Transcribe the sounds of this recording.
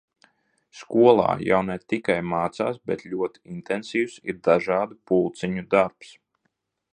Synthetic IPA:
skuɔlˠa̰ːja̰wnɛt̪ikajmaːt̪saːsbɛ̰t̪lʲuɔt̪iint̪ɛnsiːwsḭɾd̪aʒaːd̪upulˠt̪siɲud̪aɾps

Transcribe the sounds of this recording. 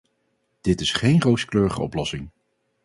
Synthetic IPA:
d̥ɪtɪsχejnrowskløːɹəχə̰ɔ̰plɔsɪŋ

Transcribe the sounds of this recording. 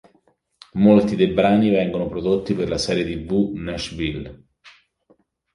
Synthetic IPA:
molt̪id̪ejbɾaːnivɛŋɡonopɾod̪ot̪ːiperlasɛːɾjet̪ivunɛʃvil

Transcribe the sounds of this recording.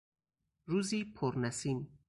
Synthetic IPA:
ɾuːziːpʰoɾnæsin

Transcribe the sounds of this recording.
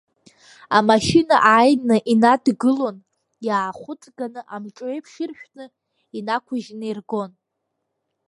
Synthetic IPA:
amaʃina̰ʔajnɨʔinadɡɨlo̞n | jaːχʷʊt͡sʼɡanɨʔamʈ͡ʂʼejpʰʂɪrʃᶣnɨ | inakʷʰʊʒnɨirɡo̞n

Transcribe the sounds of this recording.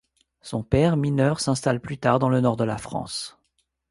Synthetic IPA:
sɔ̃pɛʁminœʁsɛ̃st̪alplyt̪aʁd̪ɑ̃lənɔʁd̪əla̰fχɑ̰̃s

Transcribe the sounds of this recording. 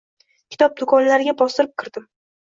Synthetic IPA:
kʲʰɪ̥t̪ʰɒp̚d̪ʊkʰɒnlaɾɪɡʲabɒst̪ɪɾɪp̚kʲʰɪɾd̪̥ɪm

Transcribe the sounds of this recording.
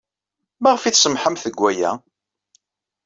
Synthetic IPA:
mæʁfiθsəmħəmθəɡʷːæjæ̰

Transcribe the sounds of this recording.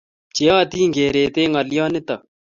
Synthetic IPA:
t͡ʃejaːt̪iːŋɡeːɾeːt̪eːŋɐljaːnɪt̪ɐ

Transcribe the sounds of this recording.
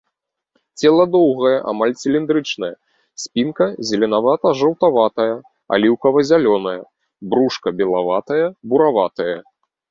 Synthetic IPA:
t͡sʲɛlˠɐd̪ɔwɣɐjɐʔa̰malʲsʲilʲind̪ɾɨt͡ʂnɐjɐ | sʲpʲinkɐzʲɪlʲɛnavat̪ɐʐɐwt̪avat̪ɐjɐ | a̰lʲiwkɐvɐzʲalʲɔnɐjɐ | bɾuʂkɐbʲɛlˠavat̪ɐjɐbuɾavat̪ɐjɐ

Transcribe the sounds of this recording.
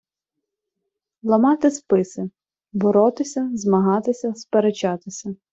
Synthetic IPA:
lˠɐmɑt̪ɪspɪsɪ | bɔɾɔt̪ɪsʲɐzmɐɦɑt̪ɪsʲɐspeɾet͡ʃɑt̪ɪsʲɐ

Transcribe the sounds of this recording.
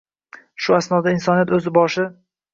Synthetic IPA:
ʃʊasnɒd̪aɪnsɒnijat̪ɵzɪbɒʃɪ

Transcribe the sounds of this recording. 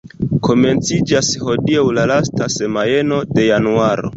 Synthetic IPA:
ko̞me̞nt͡sid͡ʒasho̞diawlalastase̞maje̞no̞de̞januaɾo̞̰

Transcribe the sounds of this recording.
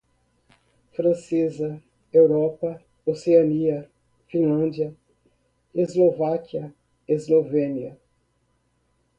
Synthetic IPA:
fɾɐ̃sezɐ | ewɾɔpɐ | oseɐniɐ | fĩlɐ̃d͡ʒiɐ | ezlovakiɐ | ezlovẽniɐ

